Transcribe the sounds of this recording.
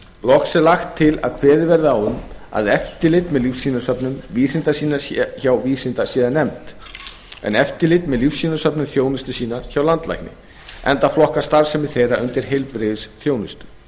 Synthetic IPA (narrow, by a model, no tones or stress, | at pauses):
lɔksɛlaxt̪ʰːɪla̰ðkʰvɛːðɪvɛɾðʏawʏma̰ðɛft̪ɪlɪt̪mɛðlifsiːnasœpnʏmviːsɪnt̪asiːnaçawviːsɪnt̪asiːðanɛmt̪ | ɛ̰nɛft̪ɪlɪt̪mɛðlifsːinasœpnʏmθjoːwnɪst̪ʏsiːnaçawlant̪la̰jknɪ̰ | ɛnt̪aflɔhkast̪aɾsɛmɪ̥θejraʔʏnt̪ɪɾ̥ɦejlpɾɪvɪsθjoːwnɪst̪ʏ̥